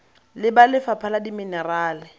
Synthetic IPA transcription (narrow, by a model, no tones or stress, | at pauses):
lɪbalɪfapʰaladiminɛraːlɪ